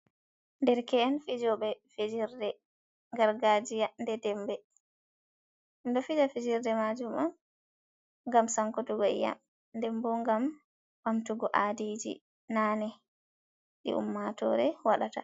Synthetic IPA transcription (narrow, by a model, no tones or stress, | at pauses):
ndɛɾkɛɛnfid͡ʒɔɓɛfed͡ʒiɾdɛ | ŋɡaɾɡad͡ʒijandɛdɛmbɛ | ndɔfid͡ʒafed͡ʒiɾdɛmad͡ʒuman | ŋɡamsaŋkɔtuɡɔḭja̰ | ndɛmbɔŋɡam | wamtuɡɔʔadid͡ʒḭ | nanɛ | ɗḭʔṵmːatɔ̰ɾɛwaɗata̰